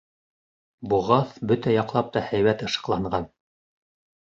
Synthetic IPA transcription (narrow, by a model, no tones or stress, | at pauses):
buʁɑθbɵt̪æjɑqlˠɑp̚t̪ɑhæjwæt̪ɤ̆ʃɤ̥̆qlˠɑɴɢɑn